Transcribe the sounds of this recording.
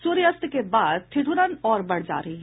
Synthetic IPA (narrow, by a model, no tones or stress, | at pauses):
suɾjəst̪kebaːd̪̚t̪ʰɪʈʰuɾanɔːɾbɐɽ̤d͡ʒa̰ːɾɐɦiɦɛ